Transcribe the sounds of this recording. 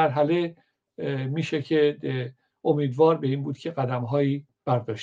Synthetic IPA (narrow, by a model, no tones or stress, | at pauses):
æɾɦæle̞ | miːʃecʰe | omiːd̪vɒːɾbe̞iːnbuːd̪cʲʰe̞ɡæd̪æmɦɒːiː | b̥æɾd̪ɒːʃ